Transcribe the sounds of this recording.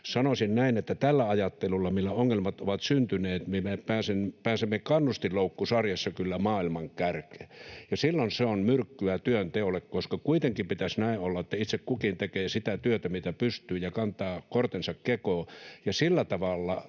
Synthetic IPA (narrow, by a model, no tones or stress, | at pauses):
sɑnosinnæinet̪ːæt̪ælːæɑjɑt̪ːelulːɑmilːæoŋːelmɑt̪oʋɑt̪synt̪yneːt̪miemepæːsempæːsemːekɑnːust̪illoukːusɑrjɑsːɑkylːæmɑːilmɑŋkærke̥jɑsilːonseonmyrkːyæt̪yønt̪eolekkoskɑkuit̪eŋkimpit̪æsnæiolːɑet̪ːæit̪sekkukint̪ekeːsit̪æt̪yøt̪æmit̪æpyst̪yːjɑkɑnt̪ˑɑːkort̪ensɑkkekoːjɑsilːæt̪ɑʋɑlːɑ